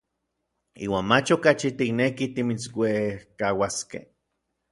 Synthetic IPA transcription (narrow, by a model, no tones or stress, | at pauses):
ḭːwaːnmat͡ʃokat͡ʃit̪iknekit̪imit͡swehkawaskḛh